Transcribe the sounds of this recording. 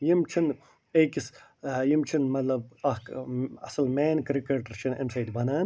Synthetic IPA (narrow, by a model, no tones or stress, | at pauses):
jimt͡ʃʰin | eːkisjimt͡ʃʰinmɐt̪lɐb̚ɐhɐ̰sɐlmeːnkɾikɐɾʈɾt͡ʃʰinɐ̰nsɐːd̪ibʱɐnaːn